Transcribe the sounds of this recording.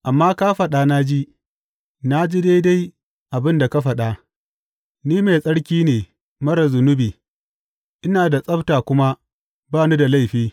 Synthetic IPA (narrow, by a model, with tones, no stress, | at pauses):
ʔa˨mːaː˦kaː˦ɸɐ˨ɗaː˦na˦d͡ʒi˦ | na˦d͡ʒi˦da˦jda˦j | ʔa˨bɪ˦nda˨ka˦ɸɐ˨ɗa˦ | niː˦me˨sʼɐ˦ɽkʲiː˦neː˨ | mɐ˦ɽɐ˨zʊ˨nʊ˦biː˨ | ʔɪ˦naː˨da˨sʼɐ˦btaː˨kʷʊ˦ma˦ | baː˦˨nu˦da˨la˦˨jɸiː˦